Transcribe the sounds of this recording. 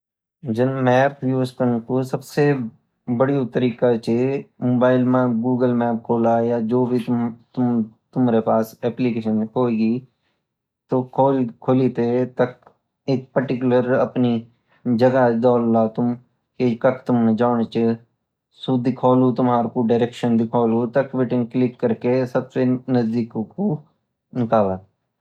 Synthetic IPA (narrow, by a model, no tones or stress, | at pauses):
d͡ʒɪnmɛːpʰjuːzkəɾnkosəbse | bəɽiot̪əɾiːkat͡ʃemoːbaːɪlmɛːpɡuːɡəlmɛːp̚kʰoːlaːjaːd͡ʒoːbʱit̪ʊmt̪ʊmːɾepaːsɛːplikeːʃənkoːiɡiː | t̪oːkʰokʰolit̪et̪ək̚ | ɪk̚pəɾʈɪkʊləɾəpni | d͡ʒəɡad̪ɔːlːaːt̪ʊm | kekəkʰt̪ʊmned͡ʒaːɳ̃et͡ʃe | sʊd̪ikʰɔːlut̪ʊmɦaːɾkoɖaːɾeːkʃənd̪ɪkʰɔːlut̪əkʋɪʈɪ̃ŋklɪkːəɾkesəbsenəzd̪iːkko | nɪkaːlaː